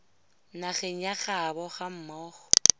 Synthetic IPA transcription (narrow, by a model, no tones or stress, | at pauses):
naχeŋ̩jaχabɔχam̩mɔːχɔ̥